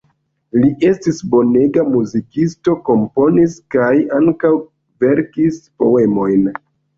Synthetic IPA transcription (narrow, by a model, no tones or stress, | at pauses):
liʔe̞stisbo̞ne̞ɡamuzikisto̞ko̞mpo̞niskajaŋkaw | ve̞ɾkispo̞̰e̞mo̞jn